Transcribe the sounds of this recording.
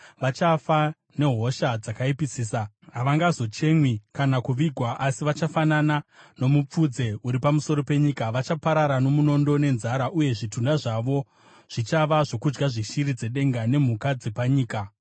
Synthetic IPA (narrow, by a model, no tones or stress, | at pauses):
ʋat͡ʃafa | ne̞ɦo̞ʃad͡zakaipisiːsa | ɦaʋaŋɡazo̞t͡ʃe̞mwikanakuʋiɡʱwaʔasiʋat͡ʃafananano̞mup͡fud͡ze̞uɾipamuso̞ɾo̞pe̞ɲikaʋat͡ʃapaɾaɾano̞muno̞ndo̞ne̞nzaɾaʔuje̞ʐitundaʐaʋo̞ | ʐ̥it͡ʃaʋaʐo̞kud͡ʒɡaʐiʃiɾid͡ze̞ɗe̞ŋɡane̞m̤ukad͡ze̞paɲiːka